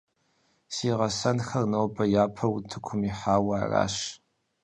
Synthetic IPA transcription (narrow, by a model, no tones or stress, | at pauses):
siːʁɐsɐnxɐrnowbʰɐjaːpʰɐwtʰɨkʷʰʊmiħaːwaːra̰ːʃ